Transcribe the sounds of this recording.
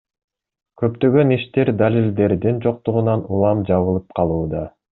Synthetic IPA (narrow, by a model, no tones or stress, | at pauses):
kø̞pt̪ø̞ɡø̞niʃt̪e̞ɾd̪alʲild̪e̞ɾd̪ind͡ʒo̞q̚t̪uʁunɑnulˠɑmd͡ʒɑβɯlˠɯp̚qʰɑlˠuːd̪ɑ